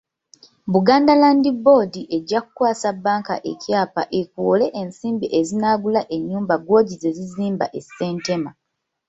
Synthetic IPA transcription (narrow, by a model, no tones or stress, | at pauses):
βuɡaːndalaːndibo̞ːdiʔe̞ɟːaku̥kwaːsabːaːŋka̰ʔecjaːpa̰ʔekwole̞ʔensiːmbiʔe̞zinaːɡulaʔe̞ɲːuːmbaɡwo̞ːɟize̞ziziːmba̰ʔe̞se̞ːnte̞ma